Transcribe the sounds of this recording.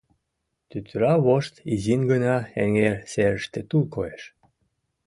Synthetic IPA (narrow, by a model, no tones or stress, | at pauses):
t̪yt̪yɾɑβoʃt̪izinɡənɑeŋerseɾəʃt̪et̪ulkoeʃ